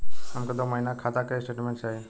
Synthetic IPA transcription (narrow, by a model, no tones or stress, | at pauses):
amkɔd̪ɔmajnakʰat̪akajsʈeʈmɛ̃ɳʈsaj